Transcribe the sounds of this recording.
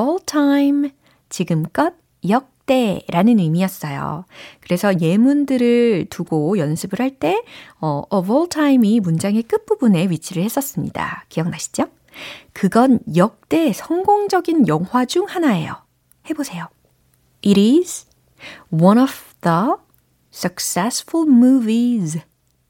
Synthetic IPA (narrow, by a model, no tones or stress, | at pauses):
ʌɭtʰaim | t͡ɕiɡɯmk͈ʌd̚ | jʌk̚t͈e̞ɾanɯnɯmijʌs͈ʌjo̰kɯɾe̞sʰʌje̞mundɯɾɯɭtuɡojʌnsʰɯbɯɭhaɭt͈e̞ʌʔʌbʌɭtʰaimimund͡ʑaŋe̞k͈ɯp͈ubune̞ɥit͡ɕʰiɾɯɭhe̞s͈ʌs͈ɯmɲḭda̰kijʌŋnaɕʰi̥d͡ʑo | kɯɡʌnjʌk̚t͈e̞sʰʌŋɡoŋd͡ʑʌɡinjʌŋwad͡ʑuŋhanae̞̰jo̰ | he̞bosʰe̞jo | iɾiz | wʌnʌfð̥ʌ | s͈ʌk̚s͈esfʰulmuviz